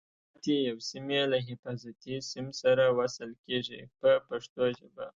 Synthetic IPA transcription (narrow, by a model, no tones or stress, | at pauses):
t̪ejawsimelaɦɪfɑzat̪isɪmsaɾawasəlkeʐipəpaʂt̪oʒəba̰